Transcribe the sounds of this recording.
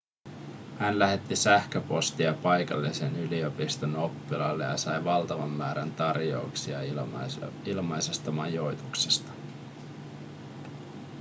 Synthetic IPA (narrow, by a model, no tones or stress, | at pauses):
hænlæhe̞t̪ːisæhkøpo̞st̪iɑpɑjkɑ̰lːise̞nylio̞pist̪ono̞pːilɑ̰lːe̞̰jɑsɑjʋɑlt̪ɑʋɑmːæːɾænt̪ɑrjo̰uksiɑ | ilmɑjsest̪ɑmɑjjo̞jt̪ukse̥st̪ɑ̥